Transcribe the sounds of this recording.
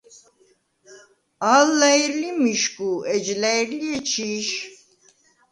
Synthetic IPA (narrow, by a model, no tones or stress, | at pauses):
alːajiɾlimiʃkuɛd͡ʒlajiɾliet͡ʃʰiʃ